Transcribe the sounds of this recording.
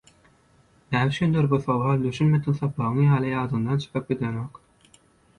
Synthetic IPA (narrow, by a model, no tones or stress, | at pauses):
næːmt͡ʃynd̪øɾbuθɑwɑːld̪yʃynmet̪inθɑpːɑʁɯŋjɑːlˠɯjɑːd̪ɯnd̪ɑnt͡ʃʰɯ̥qɯp̚ɡid̪enok